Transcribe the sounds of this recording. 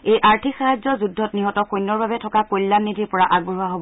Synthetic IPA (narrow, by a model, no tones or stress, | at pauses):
ejʔaɹtʰikxaɦazzɔzudʱːɔtniɦɔtɔkojnːɔɹbabɛtʰɔkakojlːanːidʱiɹpɔɹaʔaɡ̚bɔɦuaɦobɔ